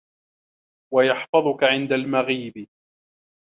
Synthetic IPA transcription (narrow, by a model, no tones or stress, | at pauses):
wajɑħfɑðˤʊkaʕɪnd̪almaɣiːbɪ